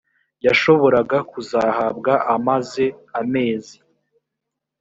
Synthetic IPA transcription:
jaʃo̞βo̞ɾaɡakuzahab̚ɡaʔamaze̞ame̞ːzi

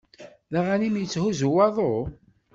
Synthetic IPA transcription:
ðaʁænimjət͡sːhuzuwɑðˤo

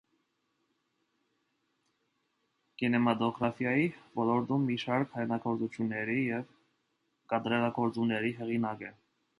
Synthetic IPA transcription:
kinɛmɑt̪ɔɡɾɑfjɑjivɔlɔɾt̪umːiʃɑɾkhɑjnɑɡɔɾt͡sut͡ʃʰjunːɛɾijɛv | kɑd̪ɾɛɾɑɡɔɾt͡sumnɛɾiɦɛʁinɑkɛ

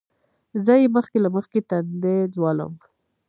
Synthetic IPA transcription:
zəjeməxkelaməxket̪and̪ezwɑlə̰m

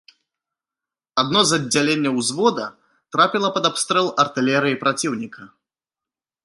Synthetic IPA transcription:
ad̪̚nɔzɐd͡zʲːalʲenʲːɐwzvɔd̪ɐ | t̪ɾapʲilˠɐpɐd̪apst̪ɾɛlˠɐrt̪ɨlʲɛɾɨjipɾat͡sʲiwnʲikʰɐ

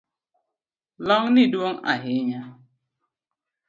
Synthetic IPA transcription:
lɔŋnɪdwoŋa̰ɦɪɲa

